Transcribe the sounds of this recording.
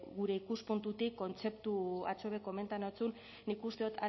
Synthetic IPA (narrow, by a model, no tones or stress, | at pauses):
ɣuɾe̞ikuspunt̪ut̪ikːo̞nt͡se̞pt̪ua̰t͡soβeko̞me̞nt̪anot͡sunː | ikust̪e̞ot̪ʰa